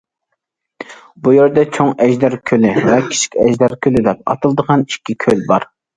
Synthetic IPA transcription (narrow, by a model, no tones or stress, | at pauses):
bujeɾd̪ɛt͡ʃʰoŋɛʒd̪ɛɾkʲʰølɪvɛkʲʰi̥t͡ʃʰi̥kʲɛʒd̪ɑɾkʲʰølɪd̪ɛp̚ɑ̰t̪ʰɨlˠd̪əʁɑnikʲːikʲʰølbɑɾ